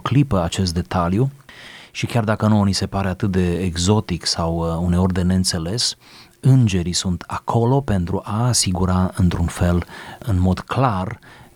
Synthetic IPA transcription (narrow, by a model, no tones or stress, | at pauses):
klipəat͡ʃe̞st̪̚d̪e̞t̪aljuʃikʲard̪akənuonise̞paɾe̞at̪ɨt̪̚d̪e̞ːɡzo̞t̪iksawune̞o̞rʲd̪e̞ne̞ɨnt̪se̞le̞s | ɨnd͡ʒe̞ɾisunt̪ʰakʰo̞lo̞pe̞nt̪ɾuʔaːsiɡuɾaɨnt̪ɾunfe̞lɨnmo̞d̪klar